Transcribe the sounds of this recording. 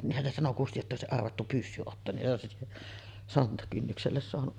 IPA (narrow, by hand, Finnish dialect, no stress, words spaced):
niːhːæn se sɑno kusti jotːɑ oˑesiʔ ʔɑrʋɑtːu pysːy otːoːn niʔ ʔoˑesi sontɑkynːykselːes soɑnuʔ